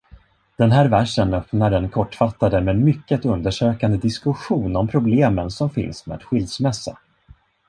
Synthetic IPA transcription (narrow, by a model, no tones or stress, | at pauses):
d̪̥ɛnɦæːɾvæʂənœpnaɾɛnkʰɔʈːfat̪ːad̪əmɛnmʏkːət̪ɵnd̪əʂøːkand̪əd̪ɪskɵɧuːnɔmpʰɾʊbleːmənsɔmfɪ̰nsmɛ̰ɛ̰t̪ɧʏld̪smɛsːa